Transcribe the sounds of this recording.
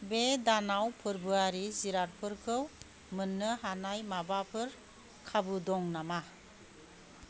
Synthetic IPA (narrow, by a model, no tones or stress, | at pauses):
bedanawpʰɯɾbɯaɾiziɾaɾpʰɯɾkʰɯw | mɯnːɯɦanajmabapʰɯɾ | kʰabɯdɔŋnama